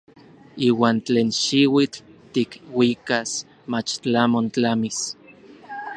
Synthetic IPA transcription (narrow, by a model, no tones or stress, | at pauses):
iːwaːnt͡ɬeːnʃiwit͡ɬt̪ikwikas | mat͡ʃt͡ɬamont͡ɬamis